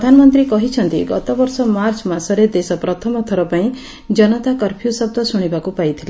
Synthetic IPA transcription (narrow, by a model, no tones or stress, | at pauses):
d̪ʱanɔmɔnt̪ɾikɔɦit͡ʃʰɔnt̪iɡɔt̪ɔbɔɾsɔmaɾt͡ʃɔmasɔɾed̪esɔpɾɔt̪ʰɔmɔt̪ʰɔɾɔpaĩ | d͡ʒɔnɔt̪akɔɾpʰijusɔb̚d̪ɔsuɽ̃ibakupajt̪ʰila